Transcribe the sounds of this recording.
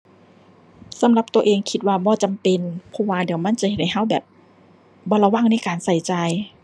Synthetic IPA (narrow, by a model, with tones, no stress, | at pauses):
sa˧˦mla˧˦p̚t̪u˧ɐʔeː˨˧ŋkʰi˧t̪̚waː˧˩bɔː˧˩t͡ɕa˨mpe˧npʰɔ˧˥waː˧˩di˨˦əwma˧˥˨nt͡ɕa˧˦he˨˩t̪̚ha˧˩ɦa˧˥˩wbɛː˨˩p̚ | bɔː˧˦la˧waː˧˥˩ŋna˧˥˩kaː˨nsa˨˩˦jt͡ɕa˧j